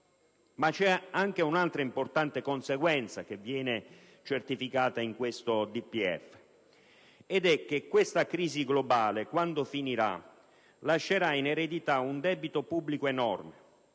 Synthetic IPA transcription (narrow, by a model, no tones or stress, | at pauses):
mat͡ʃːɛaŋk̟eunalt̪ɾaimport̪ant̪ekonseɡwɛnt̪sak̟evːjɛːne | t͡ʃert̪ifikaːt̪aiŋkwest̪od̪ipːiɛ̰f | ed̪ɛkːekːwest̪akɾiːziɡlobaːlekwand̪ofiniɾa̰ | laʃːeɾaineɾed̪it̪aund̪ɛːbit̪opubːlikoenɔrme